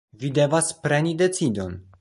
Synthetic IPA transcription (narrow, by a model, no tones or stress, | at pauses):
vide̞vaspɾe̞nide̞t͡sido̞n